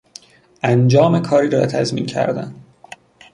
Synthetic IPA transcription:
ʔænd͡ʒɒːme̞kʰɒːɾiːɾɒ̰ːt̪ʰæzmḭncʰæ̰ɾd̪æ̰n

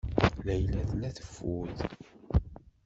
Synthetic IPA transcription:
læjlæθnæθə̥fːuð

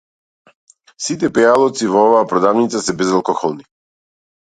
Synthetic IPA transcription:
sit̪̬ɛpɛalˠɔt̪sivɔɔvaːpɾɔd̪avnit̪sasɛbɛzalˠkɔxɔlˠni

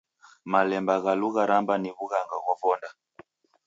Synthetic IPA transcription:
malɛmbaɣaluɣaɾambaniβuɣaŋɡaɣwavɔnda

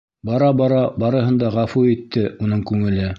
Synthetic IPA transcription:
bɑɾɑbɑɾɑbɑɾɤ̆ɦɤ̆nd̪ɑʁæfuit̪ːɘunɤɴkʉŋɘ̆lɘ

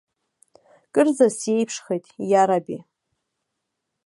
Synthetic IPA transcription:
kʼɨrzasjejpʰʂχejtʼjaɾabi

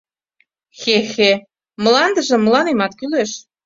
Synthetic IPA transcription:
xexe | məlɑnd̪ə̆ʒə̆mːəlɑnemɑt̪kyleʃ

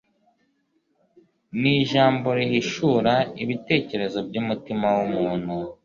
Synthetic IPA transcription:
niʒaːmbo̞ɾiɦiʃuːɾaiβite̞ːce̞ɾe̞zo̞b̚ɟumutimawumuːn̥hu

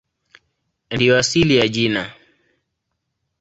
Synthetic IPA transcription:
ndijɔasilijaʄina

